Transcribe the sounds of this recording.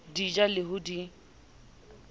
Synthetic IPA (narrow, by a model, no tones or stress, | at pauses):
did͡ʒalɪɦʊdi